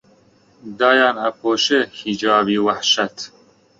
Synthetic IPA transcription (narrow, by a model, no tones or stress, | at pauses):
d̪ɑːjɑːnɐpʰoːʃehid͡ʒɑːbiːwɐħʃɐt̪